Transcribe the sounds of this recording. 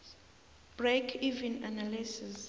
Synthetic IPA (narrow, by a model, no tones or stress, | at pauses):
b̥rekʰivĩnanalisis